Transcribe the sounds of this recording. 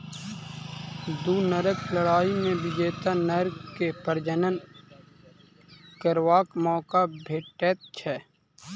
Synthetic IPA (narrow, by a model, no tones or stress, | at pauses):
d̪uːnəɾəkləɽaːimẽbɪd͡ʒeːt̪anəɾkepəɾd͡ʒənən | kəɾwaːkmɔːkabʱeːʈeːt̪̚t͡ʃʰɛː